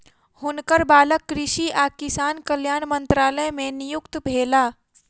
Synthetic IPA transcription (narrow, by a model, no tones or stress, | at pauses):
hʊnkəɾbaːləkːɾɪʃiʔaːkɪsaːnkəljaːnmə̃nt̪ɾaːləmẽnɪjʊkt̪bʱeːlaː